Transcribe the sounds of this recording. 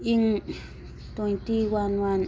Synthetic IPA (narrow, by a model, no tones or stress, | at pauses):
iŋ | t̪õĩt̪iwanan